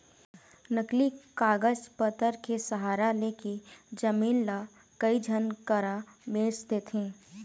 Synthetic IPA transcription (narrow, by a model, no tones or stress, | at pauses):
nəklikaːɡəd͡ʒpət̪əɾkesəɦaːɾaleked͡ʒəmiːnla | kəid͡ʒʱənkəɾabeːst̪et̪ʰẽː